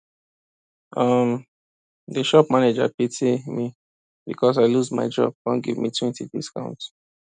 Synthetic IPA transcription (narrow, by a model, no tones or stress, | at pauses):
ʔʌm | dəʃɔpmaned͡ʒa̰pitʰimi | bikʰɔsaɪluzma̰ɪd͡ʒɔ̰b̚ɡɔ̃nɡivmitʰwɛ̃ntidiskã̰ʊ̃nt